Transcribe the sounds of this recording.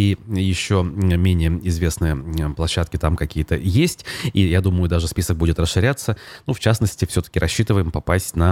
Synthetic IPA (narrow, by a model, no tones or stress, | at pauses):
ijɪɕːomʲenʲɪjəɪzvʲe̞snɨjəəplˠɐɕːat̪kʲɪt̪amkɐkʲijət̪əjesʲtʲijad̪uməjʊd̪aʐɨspʲisək̚budʲɪt̪rəsʂːɨɾʲat̪sənuft͡ɕasnəsʲtʲɪfsʲɵt̪ə̥kʲɪɾʔɐɕːit̪ɨvəjɪmpɐpasʲtʲnɐ